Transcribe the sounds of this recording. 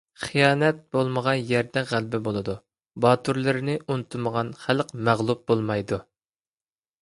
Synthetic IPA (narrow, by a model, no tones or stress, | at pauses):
χijɑːnɛt̪̚b̥olˠməʁɑnjɛɾd̪ɛʁælbɪbolˠɨd̪u | bɑːt̪ʰuɾlˠɨɾɪnɪʔunɨt̪ʰuməʁɑnχælqmæʁlˠup̚bolˠmɑjd̪u